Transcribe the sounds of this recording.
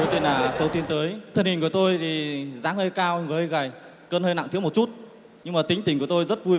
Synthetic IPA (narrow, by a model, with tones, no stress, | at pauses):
jt̪i˨˩naː˨˩t̪ʰə˨˧˦wt̪i˧ənt̪əː˨˦jt̪ʰə˧˩nhi˨˩ŋ̟ku˧˩ət̪o˧jt̪ʰi˨˩zaː˨˦ŋhəː˧jkaː˧wŋvəː˨˦jɣaː˨˩j | kəː˧nhəː˧jna̰˧˨ŋt̪i˨˦əm˨˩t̚t͡ɕu˦˥t̚ | ɲɨ˧ŋmaː˨˩t̪ï˨˦ŋ̟t̪ï˨˩ŋku˧˩ə˩t̪o˧jzə˦˥t̚vu˧j